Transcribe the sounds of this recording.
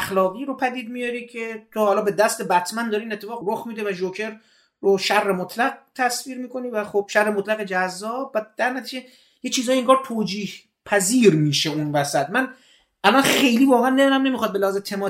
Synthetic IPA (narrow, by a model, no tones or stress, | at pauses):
æxlɒːɣiːɾo̞pʰæd̪iːd̪̚mijɒɾiːcʰe̞t̪ʰohɒːlɒːbe̞d̪æst̪e̞bæt̪ʰmænd̪ɒːɾiːnet̪ʰːe̞fɒːɣɾoxmiːd̪e̞væʒokʰe̞ɾː | oʃærːemot̪ʰlæɡ̚t̪ʰæsviːɾmiːko̞niːvæχob̥ʃæɾːemot̪læɣed͡ʒæzːɒːbːæd̪æɾnæt̪ʰiːd͡ʒe̞ | jet͡ʃʰiːzɒːjieŋɡɒːɾt̪ʰoːd͡ʒiːh | pʰæziːɾmiːʃe̞unvæsæt̪mæn | ʔælɒnxe̞jliːvɒːɣeænːed̪unæmne̞mixɒd̪be̞læhɒːzet̪ʰemɒː